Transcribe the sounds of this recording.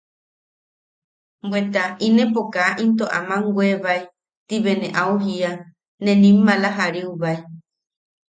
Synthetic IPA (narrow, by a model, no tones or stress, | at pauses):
mbwet̪ainẽpokaːʔint̪̬oʔa̰mãŋɡweβai | t̪iβenẽʔauɦia | nẽnĩmːãlaɦaɾiuβai